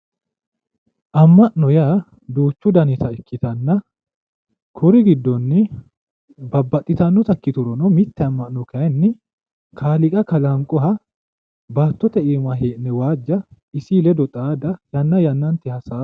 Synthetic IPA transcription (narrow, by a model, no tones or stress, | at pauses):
ʔɐmːɐʔnɔjaː | d̪uːt͡ʃːʊd̪ɐnɪt̪ɐɪkːɪt̪ɐnːɐ | kʰʊɾɪɡɪd̪ːɔnːɪ | bɐbːɐt̪ʼːɪt̪ɐnːɔt̪ɐkːɪt̪ʊɾɔnɔmɪt̪ːɛɐmːɐʔnɔkɐjnːɪ | kʰaːlɪkʼɐkɐlɐŋkʼʊɦɐ | baːt̪ːɔt̪ɛeːmɐɦeːʔnːɛwaːd͡ʒːɐ | ɪsilɛd̪ɔt̪ʼaːd̪ɐjɐnːɐjɐnːɐnt̪ɪhɐsaː